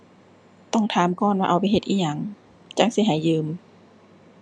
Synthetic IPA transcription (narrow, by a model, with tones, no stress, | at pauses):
t̪ɔ˧˥˩ŋt̪ʰaː˨˦mkɔː˧˥˨nwaː˧ʔa˨˩wpa˨jɦe˧t̪̚ʔiː˧ɲa˧ŋ | t͡ɕa˧˥ŋsi˧˦ɦa˨˦jːɯː˧m